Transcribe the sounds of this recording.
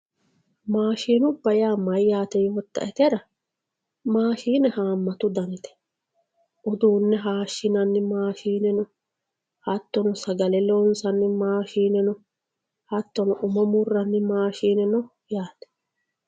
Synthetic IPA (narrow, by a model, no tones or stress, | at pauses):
maːʃiːnʊbːɐjaːmːɐjjaːt̪ɛjoɔt̪ːɐ̰ʔɛt̪ɛɾɐ | maːʃiːnɛhaːmːɐt̪ʊd̪ɐnɪt̪ɛ̥ | ʔʊd̪uːnːɛɦaːʃːɪnɐnːɪmaːʃiːnɛnɔ | hɐt̪ːɔnʊsɐɡɐlɛlɔnsɐnːɪmaːʃiːnɛnɔ | hɐt̪ːɔnʊʔʊmɔmʊrːɐnːɪmaːʃiːnɛnɔ | jaːt̪ɛ̥